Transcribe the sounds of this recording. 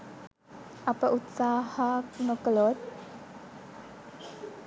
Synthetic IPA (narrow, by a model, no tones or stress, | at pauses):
ɐpəʔut̪saːhaknokəlot̪̚